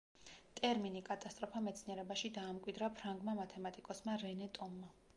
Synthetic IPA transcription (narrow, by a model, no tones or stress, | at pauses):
t̪ʼɛɾminikʼat̪ʼast̪ʼɾɔpʰamɛt̪sʰniɛɾɛbaʃid̪aːmkʼwid̪ɾapʰɾaŋɡmamat̪ʰɛmat̪ʼikʼɔsmaɾɛnɛt̪ʼɔmːa